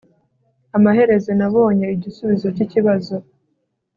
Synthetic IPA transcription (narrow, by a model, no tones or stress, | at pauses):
amaɦe̞ɾe̞ze̞naβo̞ːɲeiɟisuβizo̞ciciβazo̞